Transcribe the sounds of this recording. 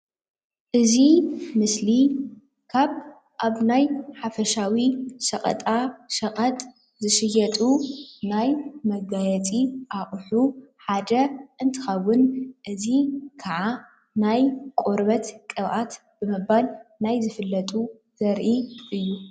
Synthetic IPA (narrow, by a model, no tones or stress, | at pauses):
ʔɨzimɨsli | kʰaβ | ʔaβnajħafɐʃawisɐqʼɐ̰t̪ʼaʃɐqʼɐt̪ʼ | zɨʃɨjɐt̪ʼunajmɐɡajɛt͡sʼiʔaʔʼħuħad̪ɐʔɨnt̪ʰɨ̥xɐwːʊnʔɨzikʰaʕa | najkʼoɾβɐt̪kʼɨβʔat̪ | bɨmɨbalnajzɨfɨlːɐt̪ʼu | z̥ɐɾʔiʔɨjːu